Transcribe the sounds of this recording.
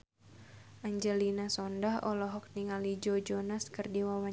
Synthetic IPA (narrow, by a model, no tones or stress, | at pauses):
ʔaɲd͡ʒɛlinasɔndahɔlɔɦɔk̚niŋalid͡ʒod͡ʒɔnaskɨrdiwawa